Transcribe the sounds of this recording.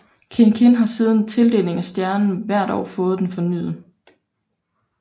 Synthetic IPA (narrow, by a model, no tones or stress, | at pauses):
kʰe̝nkʰe̝nɦɑ̈siːð̞ˠn̩t͡sʰe̝ld̥e̝̰ːle̝ŋæsd̥jæɐnn̩ʋæɐ̰ɾ̥ɒ̰ːfɔ̽ːð̩ˠd̥enfɒ̽ny̰ːð̩ˠ